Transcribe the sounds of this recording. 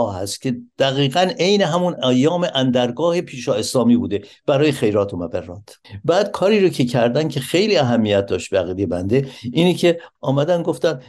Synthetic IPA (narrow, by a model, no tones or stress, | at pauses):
ɒːɦæst̪̚cʲʰe̞d̪̥æɣiːɣæne̞jneɦæmunæjːɒːmeʔænd̪æɾɡɒːhe̞pʰiːʃɒːe̞slɒːmiːbuːd̪e̞b̥æɾɒːjexe̞jɾɒːt̪ʰomæbærːɒːt̪ʰbæːd̪̚kʰɒːɾiːɾocʰe̞cʰæɾd̪æncʲʰe̞xe̞jliːæɦæmːijæt̪̚d̪ɒːʃt̪̚bæɣiːd̪ebænd̪e̞iːnecʰe̞ɒːmæd̪ænɡo̞ft̪æn